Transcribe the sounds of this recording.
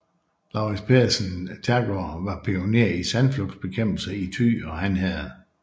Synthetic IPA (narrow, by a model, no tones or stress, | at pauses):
lɑ̈ʊʁispʰe̝ɐsənt͡sʰæɡ̥oʋɑ̈pʰio̝ne̝̰ɐ̰isænflɔɡ̥sb̥e̝kʰem̰b̥l̩səit͡sʰy̰ːɒ̽ɦænɦæð̩ˠ